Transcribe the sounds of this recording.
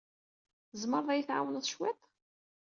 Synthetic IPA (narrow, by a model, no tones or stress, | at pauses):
zˤməɾˤðˤæjθʕa̰wənðˤʃwæt̪ˤ